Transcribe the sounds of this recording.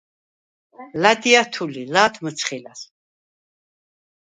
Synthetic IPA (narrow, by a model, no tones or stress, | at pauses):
lad̪iat̪ʰulilaːt̪ʰməsʰχilas